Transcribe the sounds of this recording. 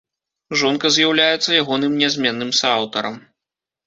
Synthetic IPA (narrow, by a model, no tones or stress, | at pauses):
ʐɔnkɐzʲjawlʲajɛt̪sːɐjaɣɔnɨmnʲɛzʲmʲɛnːɨmsawt̪ɐɾɐm